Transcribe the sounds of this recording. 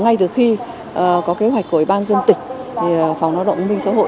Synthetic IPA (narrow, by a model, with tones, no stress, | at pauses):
ŋa˧jt̪ɨ˨˩xi˧ | ʔəː˨˩kɔ˨˦ke˨˦ɦwa˨˩k̟̚ku˧˩ə˨wi˨˩ɓaː˧nzə˧nt̪ï˨˩ŋ̟̚t̪ʰi˨˩˨fa˨˩wŋ͡mlaː˨˧wɗə̰˧˨ŋ͡mmï˧ŋ̟sa̰˧˥ɦo̰˧˨